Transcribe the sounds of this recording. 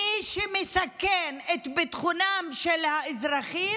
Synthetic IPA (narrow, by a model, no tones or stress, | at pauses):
iʃemesakenet̪bet̪χunamʃelhaezʁaχi